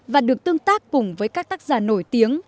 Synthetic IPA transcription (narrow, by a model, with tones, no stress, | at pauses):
vaː˨˩ɗɨ˨˩ək̚t̪ɨ˧əŋt̪aː˦˥kːʊ˨˩ŋ͡mvəː˨˦jkaː˦˥k̚t̪aː˦˥k̚zaː˨˩no˧˩jt̪i˨˦əŋ